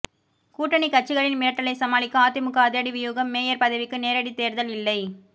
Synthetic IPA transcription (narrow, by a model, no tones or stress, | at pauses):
kuːʈːɐɳikɐʈ̚t͡ʃːɪɣɐɭɪnmɪɾɐʈːɐɭɐɪsɐmaːlɪkːɯaːt̪ːɪmʊkːɐɐðɪɐɽiʋɪjuːɣɐmːeːjɐɾpɐðɐʋɪkːɯneːɾɐɽit̪eːɾðɐlɪlːɐɪ